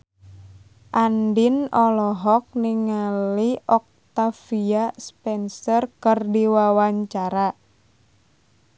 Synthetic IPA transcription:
ʔandinɔlɔɦɔk̚niŋaliʔɔk̚t̪afiaspɛnsɔrkərdiwawaɲt͡ʃaɾa

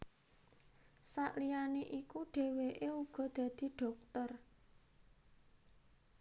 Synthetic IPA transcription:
saʔlijaneʔikuɖ̥e̤weʔeuɡ̥ɔ̤d̪̥ä̤d̪̥i̤ɖ̥ɔ̤k̚t̪ər

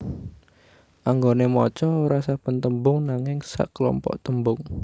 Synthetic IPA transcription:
ʔaŋɡonemɔt͡ʃɔɾasab̥ənt̪əmbʊŋnaŋɪŋsa̰ʔklɔ̰mpɔ̰ʔt̪əmbʊŋ

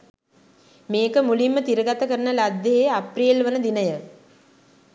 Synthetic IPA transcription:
meːkəmulimːət̪iɾəɡat̪əkəɾənəlad̪jeɦeapriːlʋənəd̪inəjə

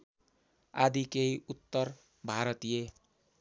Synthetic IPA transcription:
ad̪ikejut̪ːʌr | bʱaɾʌt̪ije

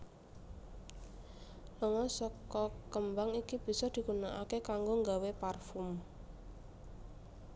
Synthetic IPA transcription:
ləŋɔsɔkɔkəmbaŋikib̥i̤sɔd̪̥i̤kunaʔa̰kekaŋɡoŋɡaweparfum

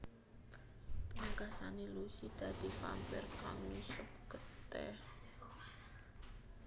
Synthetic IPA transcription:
paŋkasanelusid̪̥a̤d̪̥i̤pa̰mpɛrkaŋmisʊp̚kət̪ɛ̰h

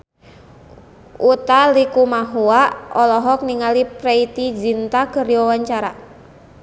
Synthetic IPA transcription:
ʔut̪alikumaɦuaʔɔlɔɦɔk̚niŋalipɾɛit̪id͡ʒint̪akəriɔwaɲt͡ʃaɾa

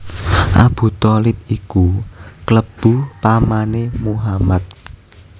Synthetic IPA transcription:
ʔa̰b̥ṳt̪ɔlɪp̚ikukləb̥ṳpamanemuɦamat̪̚

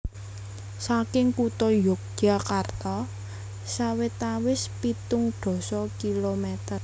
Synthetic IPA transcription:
sakɪŋkut̪ɔjɔkɡ̥akart̪ɔ | sawɪt̪awɪspit̪ʊŋɖ̪̥ɔ̤sɔkilomɛt̪ər

